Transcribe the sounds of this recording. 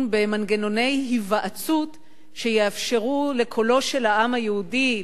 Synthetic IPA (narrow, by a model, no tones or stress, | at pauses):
nbe̞manɡeno̞ne̞jɦivaʔat͡sut | ʃe̞jeafʃe̞ʁule̞kʰo̞lo̞ʃe̞laʔamhajehudi